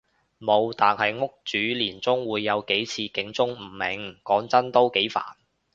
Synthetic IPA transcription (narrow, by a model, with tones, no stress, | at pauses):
mo˨˧wt̪aː˨nhɐ˨jŋʊ˥k̚t͡syː˨˥liː˨˩nt͡sʊ˥ŋwuː˨˧jːɐ˨˧wke˨˥jt͡sʰiː˧kɪ˨˥ŋt͡sʊ˥ŋm̩˨˩mɪ̰˨˧ŋkɔː˨˥ŋt͡sɐ˥nt̪o˥wke˨˥jfa̰ː˨˩n